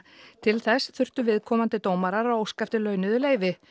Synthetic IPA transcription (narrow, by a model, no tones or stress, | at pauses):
t̪ʰɪlθɛsθʏr̥t̪ʏvɪðkʰɔːmant̪ɪt̪oːwmaɾaɾawoːwskaft̪ɪlœːɥnʏðʏleːjvɪ